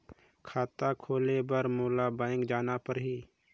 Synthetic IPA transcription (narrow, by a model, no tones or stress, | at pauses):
kʰaːt̪akʰoːlebəɾmoːlabãɪŋkd͡ʒaːnapəɾɦiː